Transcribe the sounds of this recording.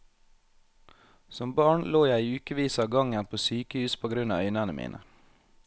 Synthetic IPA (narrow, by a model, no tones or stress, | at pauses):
sɔmbɑːɳloːjæɪʉːkəʋiːsɑːɡɑŋənpʰoːsyːkəhʉːspʰoːɡɾʉnɑ̰ːœʏnænəmḭːnʔə̰